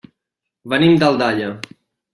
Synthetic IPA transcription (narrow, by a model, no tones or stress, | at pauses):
βənimd̪əlˠd̪aʎə